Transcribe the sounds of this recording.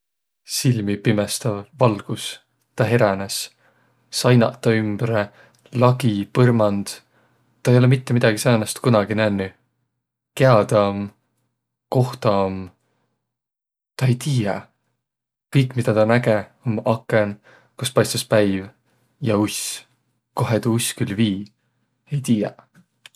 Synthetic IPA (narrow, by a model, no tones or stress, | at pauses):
silmipimest̪ɑvvɑlɡ̥us | t̪ɑɦe̞ɾɑnes | sɑjnɑ̰t̪ːɑymb̥ɾe | lɑɡ̥ipɤrmɑnd̪̥ | t̪ːˑɑejo̞lemit̪ːe̞mid̪̥ɑɡ̥isɑnɑst̪kunɑɡinænːy | ke̞ɑd̪ɑm | ko̞ht̪ɑm | t̪ɑe̞jt̪iːjɑ | kɤjkːˑmid̪̥ɑt̪ɑnæɡeomɑkːˑen | kuspɑjst̪uspæjv | jɑus | koɦet̪uuskylːviː | e̞jt̪iːjɑ̰